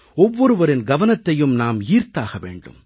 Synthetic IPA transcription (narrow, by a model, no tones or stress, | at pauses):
ɔʋːɔɾɯʋɐɾɪnɡɐʋɐnɐt̪ːɐjɯmnaːmiːɾt̪aːɣɐʋḛːɳɖɯ̰m